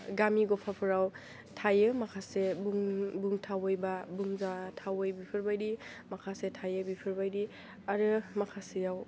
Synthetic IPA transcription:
ɡamiɡopʰapʰɯɾaw | tʰajɯmakʰasebuŋbuŋtʰawojbabuŋzatʰawojbipʰɯɾbajdi | makʰasetʰajɯbipʰɯɾbajdi | aɾɯmakʰasejaw

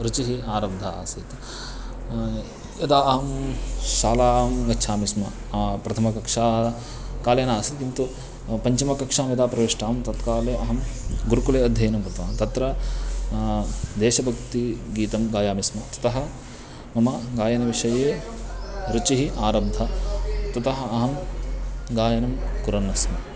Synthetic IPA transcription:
ɾut͡ʃiɦiaːɾɐbd̪ʱɐaːsit̪ | ɐd̪aːɐɦɐmʃaːlaːmɡɐʃʰaːmismɐ̰pɾɐt̪ʰɐmɐkɐkʂaː | kaːleːnaːsit̪kint̪u | pɐɲt͡ʃɐmɐkɐkʂaːmid̪aːpɾɐʋeʂʈaːmt̪ɐt̪kaːleːʔɐɦɐmɡuɾkuleːɐd̪ʱjɐjɐnɐmkɾɐt̪ɐaːmt̪ɐt̪ɾɐ | d̪eːʃɐbʱɐk̚t̪iɡiːt̪ɐmɡaːjaːmismɐt̪ɐ̥t̪ɐɦɐ̆ | mɐmɐɡaːjɐnɐʋiʂɐjeː | ɾut͡ʃiɦiʔaːɾɐbd̪ʱɐt̪ɐt̪ɐɦɐɐɦɐm | ɡaːjɐnɐmkuɾɐnːɐsmɐ

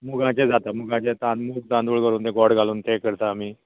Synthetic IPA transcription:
muɡʱãt͡ɕed͡zat̪amuɡãt͡ɕet̪ãnmuːɡ̚t̪ãnd̪uːɭɡəɾuːnt̪ẽɡɔɽɡʱaluːnt̪ekəɾt̪aːmiː

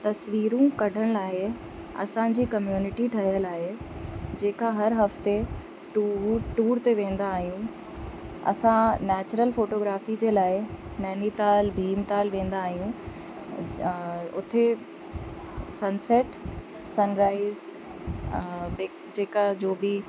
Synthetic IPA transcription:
t̪ɐsʋiːɾũkɐɖʱəɽ̃laːɪ | ɐ̰sãd͡ʑiːkɐmjuːnɪʈiʈʰɐɦijəlaːɦed͡ʑeːkaɦɐɾɦɐft̪e | ʈuʈuːɾt̪eʋẽːn̆d̪aːɦijũ | ɐ̰sãnɛːt͡ɕʊɾəlfoːʈoːɡɾaːfid͡ʑeːlaːɪnɛːnit̪aːlbʱiːmt̪aːlʋẽːnd̪aːɦijũ | ʊ̰t̪ʰe | sɐnseʈ | sɐnɾaːɪz | beː | d͡ʑeːkad͡ʑoːbɪ

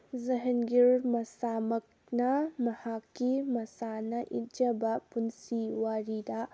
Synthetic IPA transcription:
zɐɦɐnɡiɾmɐsamɐk̚ | nɐmɐhakːimɐsanɐʔit̚d͡ʒɐbɐpunsiwaɾidɐ

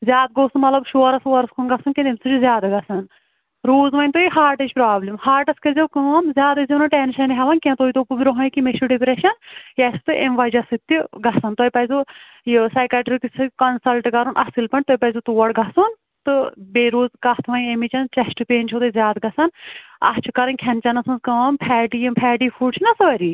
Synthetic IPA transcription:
zʲjaːd̪̚ɡoːsunmɐt̪lɐbʃoːɾɐsuːɐɾɐskʰunɡɐsunkʲẽnt̪emsʰut͡ʃuzʲjaːd̪aɡɐsɐn | ɾoːzʋɐnʲt̪oːiɦaːɾʈɐd͡ʒpɾaːblimhaːɾʈɐskɐzʲɐwkɨnzʲjaːd̪ɐzʲenɐʈenʃɐnɦɐʋɐnkʲẽnt̪oːit̪opubʲɾoɦɐikimeʃuɖipɾeʃɐnjɐsɨ̥t̪ɨʔemʋɐd͡ʒɐsɨt̪ːiɡɐsɐnt̪ɐipɐjzu | jisɐːkʲaʈɾikisɨkɐnsɐlʈkɐɾunʔɐsilpɐɳt̪oipɐzut̪uːɐɽɡʱɐsun | t̪ɨbeːɾoːzkɐt̪ʰʋɐnemit͡ʃɐnt͡ʃɐsʈɨpeːnt͡ʃʰot̪ezʲjaːd̪ɡɐsɐnɐ̰st͡ʃʰukɐɾɐnʲkʰɐnt͡ʃɐnɐsɐnzkɐ̃ːmpʰɛːʈijɐmpʰɛːʈiːfʰuɖt͡ʃʰinɐsʋɐɾiː

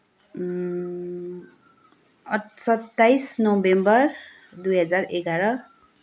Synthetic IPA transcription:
ʌsʌt̪ːajsnobembʌr | d̪ujɦʌd͡zareɡaɾʌ

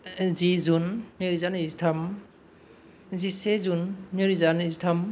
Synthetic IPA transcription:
zizunːiɾizanizitʰam | zisezunːiɾizanizitʰam

